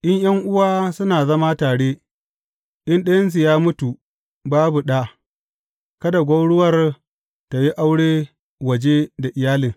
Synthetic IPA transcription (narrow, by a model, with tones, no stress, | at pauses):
ʔɪ˦ɲjɐ˦ŋʔʊ˦waː˦sʊ˦naː˨zɐ˦ma˦taː˨ɽeː˦ | ʔɪ˦nɗɐ˦jɐ˦ns̬i˨jaː˦mʊ˦tu˨ | baː˦bu˨ɗa˦ | kɐ˦da˨ɡʷa˦wɽʊ˦wɐ˦˨r | ta˨ji˦ʔa˦wɽeː˦ | wɐ˨d͡ʒe˦da˨ʔɪ˨jaː˦lɪ˨ŋ